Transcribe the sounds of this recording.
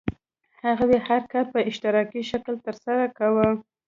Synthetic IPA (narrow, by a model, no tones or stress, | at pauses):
haɣadehaɾkɑlpəɪʃt̪ɪɾɑkiʃaklt̪əɾsaɾakawə